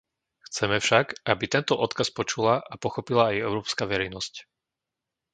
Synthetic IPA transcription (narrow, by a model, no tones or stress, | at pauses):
xt͡sɛmɛfʃaɡʔabit̪ɛnt̪ɔʔɔt̪kaspɔt͡ʃulaʔapɔxɔpilaːjɛʊɾɔːpskaʋɛɾɛjnɔsc